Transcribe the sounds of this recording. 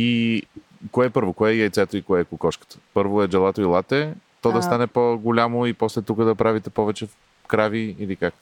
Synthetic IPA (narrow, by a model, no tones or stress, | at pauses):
i | koɛpɤɾvokoɛjɛjt̪sɛt̪oikoɛkʊkɔʃkə̥t̪ə̥pɤɾvoɛd͡ʒɛlˠat̪oilˠat̪ɛt̪ɔd̪ɐst̪anɛpoɡʊlʲamoipɔslɛt̪ukəd̪ɐpɾavit̪ɛpɔvɛt͡ʃɛ | kɾaviilikak